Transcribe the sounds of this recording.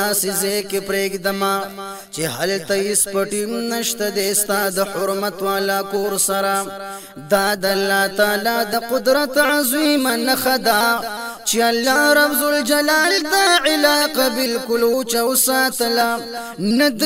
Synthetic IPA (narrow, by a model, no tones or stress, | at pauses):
asɪzekepɾeːɡd̪ɐma | t͡ʃehalt̪aispɐʈimnɐʃt̪ad̪est̪ad̪əhʊɾmat̪waːlakoːɾsaɾa | d̪aːd̪alːaːt̪aːlad̪əqʊd̪ɾat̪ʕazwimanɐxad̪a | t͡ʃealːaːɾɐfzuld͡ʒalaːltd̪aʕɪlaːqabɪlkʊlot͡ʃawsaːt̪əla | nɐd̪